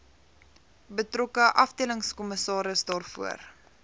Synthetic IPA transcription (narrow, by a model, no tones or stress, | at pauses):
bətrɔkəʔɐfdiələŋskɔməsɑːɾəsdɑːrfuər